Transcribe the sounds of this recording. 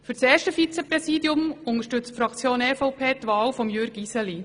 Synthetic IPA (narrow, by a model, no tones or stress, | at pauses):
fyɾt͡seːɾʃtəfit͡sɛpɾɛsiːd̪iʊmʊnəʃtʏt͡stfɾɑkt͡sjoːnɛfɔʊpʰeːt̪ʋɑːwfɔmjøɾɡisɛli